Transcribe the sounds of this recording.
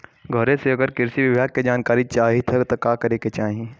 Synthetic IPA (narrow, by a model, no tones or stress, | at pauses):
ɡʱɔɾẽseɐɡəɾkɪɾsiʋɪbjaːɡ̚ked͡ʒaːnkaːɾit͡ʃaːɦit̪ʰɐt̪okaːkɐɾeːket͡ʃaːɦĩ